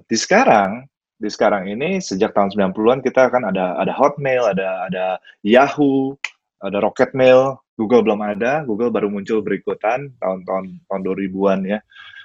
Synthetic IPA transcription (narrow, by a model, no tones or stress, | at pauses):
d̥isə̥kaɾaŋ | disə̥kaɾaŋinisəd͡ʒak̚t̪aʊnsəmbilanpuluankit̪akanadaa̰daɦɔt̪̚mɛladaːda | jahu | adaɾokɛt̪̚mɪlɡuɡəlbəlomadaɡuɡəlbaɾumuɲt͡ʃʊlbəɾikut̪ant̪a̰ʊnt̪aʊnt̪aʊnduaɾibuanja